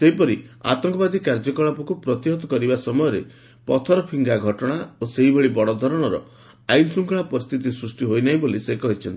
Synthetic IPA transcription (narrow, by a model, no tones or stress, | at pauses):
seɦipɔɾia̰t̪ɔŋkɔbad̪ikaɾd͡ʒɔkɔɭapɔkupɾɔt̪iɦɔt̪ɔkɔɾibasɔmɔjɔɾe | pɔt̪ʰɔɾɔpʰiŋɡaɡʱɔʈɔɽ̃aoseɦibeɭibɔɽɔd̪ʱɔɾɔɽ̃ɔɾɔ̰ | ajnsuŋkʰɔɭapɔɾist̪ʰit̪̬isɾusʈiɦojnaɦĩbolisekɔɦit͡ʃʰɔnt̪i